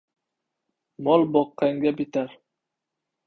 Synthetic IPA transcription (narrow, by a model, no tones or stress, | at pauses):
mɔlˠboqːɑŋɡʲabit̪aɾ